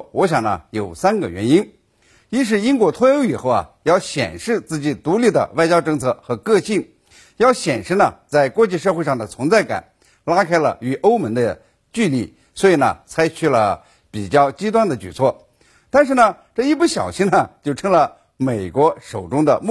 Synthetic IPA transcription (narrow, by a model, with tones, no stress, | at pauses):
wɔ˧˥ɕ̬jɑ˨˩ŋnə̰˧jo˨˩ʊsa˥nɡə̰˨ɥɛ˧˥ni˥n | i˥ʂ̬ɻ̩˥˩i˥nkwɔ˥˩t̪ʰwɔ˥jo˧˥ʊi˨˩xo˥˩ʊɐ̰˨˩ | jɑ˥˩ʊɕjɛ̰˨˩nʂɻ̩˥˧t͡sɹ̩˥˩t͡ɕi˨˩t̪u˧˥li˥˩d̪ə̰˩wa˥˩ɪt͡ɕjɑ˥ʊʈ͡ʂɤ˥˧ŋt͡sʰɤ˥˩xɤ˧˥kɤ˥˧ɕi˥˩ŋ | jɑ˥˩ʊɕjɛ˨˩nʂɻ̩˥˩nə̰˨t͡sa˥˩ɪkwɔ˥t͡ɕi˥˧ʂ̬ɤ˥˧xwe˥˧ʂɑ˥˩ŋd̪ə˩t͡sʰʊ˧˥ŋt͡sa˥˩ɪka̰˨˩˦n | la˥kʰa˥ɪlə̰˧y˨˩ʔo˥ʊmə˧˥ŋd̪ə˧ | t͡ɕy˥˧li˥˩ | swɔ˧˥i˨˩nə̰˩t͡sʰa˥ɪt͡ɕʰy˧˩lə̰˧˩ | pi˨˩t͡ɕjɑ˥˧ʊt͡ɕi˥t̪wa˥nd̪ə˨t͡ɕy̰˨˩t͡sʰwɔ˥˩ | t̪a˥˧nʂ̬ɻ̩˥˩nə˩ | ʈ͡ʂɤ˥˧i˥˧p̬u˥˩ɕjɑ̰˨˩ʊɕi˥ŋnə˨t͡ɕjo˥˩ʊʈ͡ʂʰɤ˥ŋlə˨ | me˨˩ɪkwɔ˧˥ʂo˨˩ʊʈ͡ʂʊ˥ŋd̪ə̰˧m˥